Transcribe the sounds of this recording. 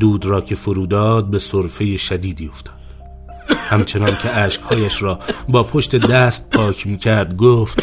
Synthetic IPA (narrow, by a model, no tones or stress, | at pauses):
d̪uːd̪ɾɒːcʰe̞foɾuːd̪ɒːd̪̚be̞soɾfe̞jeʃæd̪iːd̪iːo̞ft̪ʰɒːd̪̥ | hæmt͡ʃʰe̞nɒːncʲʰe̞ʔæːʃkhɒːjæʃɾɒːbɒːpʰoʃt̪e̞d̪æːst̪̚pʰɒːcʰmiːcʰæɾd̪ɡoːft̪